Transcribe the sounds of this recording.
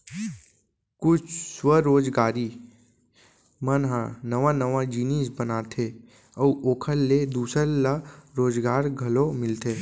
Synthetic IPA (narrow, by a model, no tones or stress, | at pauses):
kʊt͡ʃʰswəɾoːd͡ʒɡaːɾi | mənɦãnəʋãnəʋad͡ʒiːniːsbənaːt̪ʰe | ɔʔoːkʰəlːed̪uːsəɾləɾoːd͡ʒɡaːɾɡʱɐlomɪlt̪ʰeː